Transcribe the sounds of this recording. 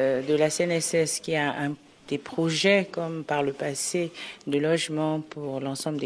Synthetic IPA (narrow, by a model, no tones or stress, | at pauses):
d̪əlaseɛnɛsɛskʲiaɛ̃ | d̪̥epχɔʒɛkɔmpaʁləpased̪əlɔʒmɑ̃puʁlɑ̃sɑ̃bləd̪e